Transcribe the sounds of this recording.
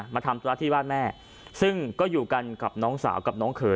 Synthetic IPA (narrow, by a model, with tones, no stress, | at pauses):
maː˧t̪ʰa˧mt̪ʰu˧aː˦˥˩t̪iː˥˩waː˥˩n̚mɛː˥˩ | sɯ˥˩ŋkɔː˥˩juː˨˩ka˧nka˨˩p̚nɔː˦˥ŋsa̰ː˩˦wka˨˩p̚nɔː˦˥ŋkʰɤː˨˦